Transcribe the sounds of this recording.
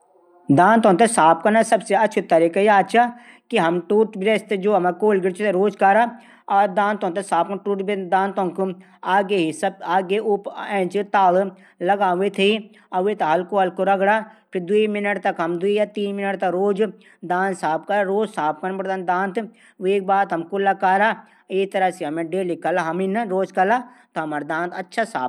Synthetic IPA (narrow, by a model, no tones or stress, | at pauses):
d̪ãːnt̪õːnt̪esaːp̚kɐnasəbseɐtːt͡ʃʰut̪ɐɾikajaːt͡ʃʰa | kiɦɐmʈuːʈbɾest̪d͡ʒoːɐmakoːlɡɪɾt͡ʃʰt̪eɾoːd͡ʒkaɾa | ad̪ãːnt̪õːnt̪esaːp̚kɐnʈuːʈbd̪ãːnt̪õːnku | aːɡeɦisəbaːɡeʔʊpɛ̃ːt͡ʃt̪aːl | ləɡaːet̪ʰe | ɐwʋet̪aɦɐlkoɦɐlkoɾɐɡɽaːpʰɪɾd̪uimɪnəʈt̪ɐkɦɐmd̪uijat̪iːnmɪnəʈt̪ɐkɾoːd͡ʒ | d̪ãːnsaːp̚kɐɾaɾoːd͡ʒsaːp̚kɐnpɾd̪and̪ãːnt̪ | eːk̚baːt̪ɦɐmkʊlːakaːɾa | eːt̪ɐɾasiɦɐmẽɖeːlikɐlaɦɐminɾoːd͡ʒkɐla | t̪oɦɐmaːɾd̪ãːnt̪ɐtːʃʰasa̰ːb